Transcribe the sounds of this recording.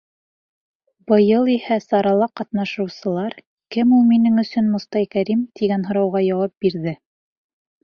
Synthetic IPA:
bɤ̆jɤlˠihæsɑɾɑlˠɑqɑt̪nɑʃɤ̆wsɤ̆lˠɑɾ | kɘmulˠminɘŋɵ̆sɵnmŏst̪ɑjkæɾimt̪iɡænɦŏɾɑwʁɑjɑwɑp̚biɾðɘ

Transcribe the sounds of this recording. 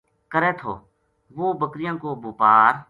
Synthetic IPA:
kəɾeːt̪ʰo̰ː | ʋoːbəkɾɪjãːkoːboːpaːɾ

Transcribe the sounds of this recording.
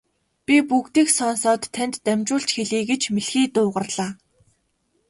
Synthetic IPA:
pʲipukt̪iːksɔnsɔːt̪ʰːænt̪ːæmʲt͡ɕʊːɮɬt͡ɕxeɮiːɡet͡ɕmeɮxiːt̪ʊːʁə̆rɮaː

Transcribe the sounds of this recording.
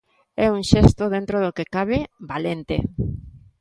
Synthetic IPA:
ɛuŋʃest̪oðent̪ɾoðokekaβ̞ebalent̪ḛ

